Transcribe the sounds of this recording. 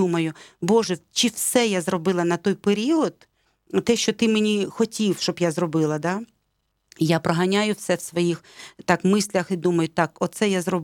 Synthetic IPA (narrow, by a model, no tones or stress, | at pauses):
umɐjʊbɔʒɛt͡ʃiwsɛjazrɔbɪlˠɐnɐt̪ɔjpeɾʲiɔd̪̚ | t̪ɛʃt͡ʃɔt̪ɪmenʲixɔtʲiwʃt͡ʃɔbjazɾɔbɪlˠɐd̪ɑ | japɾɔɦɐnʲajʊwsɛwsʋɔjixt̪ɑkmɪsʲlʲɐxid̪umɐjʊt̪ɑkɔt̪sɛjazrɔb